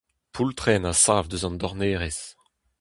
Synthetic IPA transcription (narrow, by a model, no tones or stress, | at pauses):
pʰult̪χɛnasaːvd̪øzɑ̃nd̪ɔʁneːʁɛs